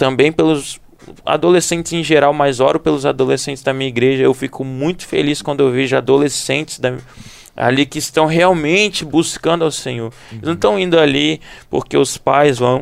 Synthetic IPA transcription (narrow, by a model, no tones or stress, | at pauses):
t̪ɐ̃mbẽj̃pelʊz | a̰d̪olesẽnt͡ʃɪzẽj̃ʒeɾawmajzɔɾʊpelʊzad̪olesẽnt͡ʃ̪ɪ̥zd̪ɐmĩɲɐiɡɾeʒɐewfikʰʊmũj̃t̪ʊ̥fḛliskwɐ̃nd̪ʊewveʒʊad̪olesẽnt͡ʃɪ̥zd̪ɐ | a̰likɪɪst̪ɐ̃w̃ɦeawmẽnt͡ʃɪbuskɐ̃nd̪ʊawsẽɲoɾ | elɪznɐ̃w̃t̪ɐ̃w̃ĩnd̪ʊalipo̰ɾkeʊspajzvɐ̃w̃